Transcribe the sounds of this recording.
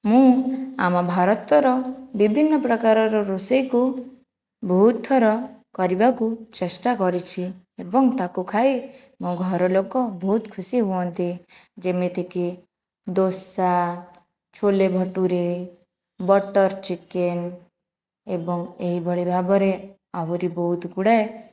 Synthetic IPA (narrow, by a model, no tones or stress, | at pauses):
mũa̰mɔbʱaɾɔt̪ɔɾɔbibʱinːɔpɾɔkaɾɔɾɔɾusejku | bʱɔɦut̪ʰːɔɾɔkɔɾibakut͡ʃesʈakɔɾit͡ʃʰi | ebɔŋt̪akukʰaj | mũɡʱɔɾɔlokɔbʱɔɦut̪kʰusiɦuɔnt̪id͡ʒemet̪eki | d̪osa | t͡ʃʰolebʱɔʈuɾe | bɔʈɔɾt͡ʃiken | ebɔŋeɦibɔɭebʱabɔɾe | awɔɾibɔɦut̪ɡuɽae